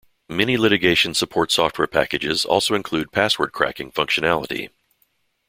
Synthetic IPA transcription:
mɛñilɪɾɨɡeɪʃɨ̃nsəpʰɔɹtsɔft̚wɛɹpʰæ̰kɨd͡ʒɪzɔ̰lˠsoʊɨ̃nkʰl̥ʉd̚pʰæswə̰˞d̚kʰɹ̥æ̰kɪ̃ŋfʌ̃ŋkʃɨnælˠəɾḭ

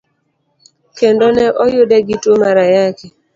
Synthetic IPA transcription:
kendonɛʔɔjʊdɛɡɪtwomaɾajaki

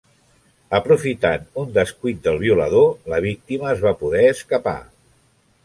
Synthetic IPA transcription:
əpɾufit̪anund̪əskujt̪̚d̪əlˠβiulə̰ðoləβ̞ik̚t̪iməːzβapuðɛəskəpa̰

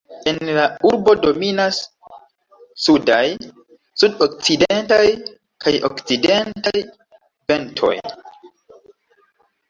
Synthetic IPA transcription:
e̞nlauɾbo̞do̞minas | udaj | sudok̚t͡sidentaj | kʰajʔo̞̰kt͡side̞ntaj | ve̞ntʰo̞̰j

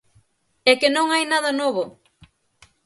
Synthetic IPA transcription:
ɛkenõŋajnaðɐnoβo

